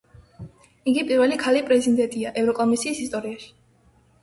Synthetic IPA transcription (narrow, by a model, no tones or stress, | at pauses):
iɡipʼiɾvɛlikʰalipʼɾɛzid̪ɛnt̪ʼiaʔɛvɾɔkʼɔmisiːsist̪ʼɔɾiaʃi̥